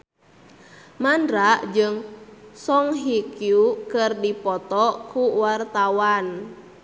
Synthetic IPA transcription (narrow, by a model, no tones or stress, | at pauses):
mandɾaʔd͡ʒɨŋsɔŋɦikjukɨrdipɔt̪ɔkuwart̪awan